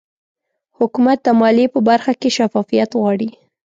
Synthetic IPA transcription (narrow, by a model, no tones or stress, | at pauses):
hʊkumat̪̚d̪əmɑlepəbaɾxakeʃafɑfijat̪ɣwɑɽi